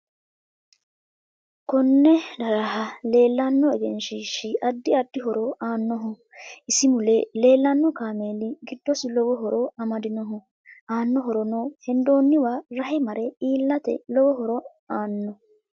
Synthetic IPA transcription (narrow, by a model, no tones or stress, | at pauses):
kɔnːɛd̪ɐɾɐɦɐleːlːanːɔɛɡɛnʃiːʃɪʔɐd̪ːɪɐd̪ːɪɦɔɾɔaːnːɔɦʊ | ʔɪsɪmʊlɛle̞ːlːɐnːɔkaːmeːlɪɡɪd̪ːɔsɪlɔwɔɦɔɾɔɐmɐd̪ɪnɔɦʊ | ʔaːnːɔɦɔɾɔnɔhɛnd̪o̞ːnːɪwaɾɐɦɛmɐɾɛiːlːɐt̪ɛ̰lɔwɔɦɔɾɔ | aːnːɔ